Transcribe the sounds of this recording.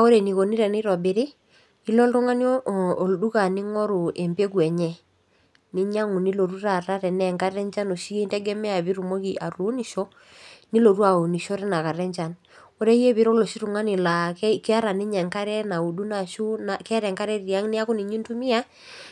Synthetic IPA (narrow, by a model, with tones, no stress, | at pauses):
a˦o˦ɾe˨ni˨ko˨ni˦ɾɛ˨ni˦ɾɔ˨bɪ˨ɾɪ˦ | i˦lɔ˦ltu˦ŋa˦ni˦ɔː˦˨ldu˦ka˨nɪ˦ŋɔ˦ɾu˨ʔɛ˨mpe˦kwɛ˨ɲɛ˦ | nɪ˦ɲa˦ŋu˨ni˦lo˨ɾu˦ɾa˨ɾa˦ɾɛ˨nɛ˦˨ŋka˦ɾɛ˦ɲt͡ʃa˦no˨ʃi˦ke˦ntɛ˦ɡɛ˦mɛ˦a˨bi˦ɾu˨mo˦ki˨ʔa˨ɾuː˨˦ni˨ʃo˦ | ni˦lo˨ɾu˦a˨o˨ni˨ʃɔ˦ɾɛ˦na˨ka˨ɾɛ˦ɲt͡ʃa˨n | o˦ɾe˦je˦βɪ˨ɾo˦lo˨ʃi˦ɾu˨ŋa˦ni˨la˨kkɪ˦a˦ɾa˨nɪ˦ɲɛ˨ŋka˦ɾɛ˦na˨u˨du˦na˨ʃu˦na˨kɛ˦a˦ɾɛ˨ŋka˦ɾɛ˦ɾi˨a˦ŋnɪ˦a˦kʊ˦ni˨ɲi˦ntu˦mi˦a˦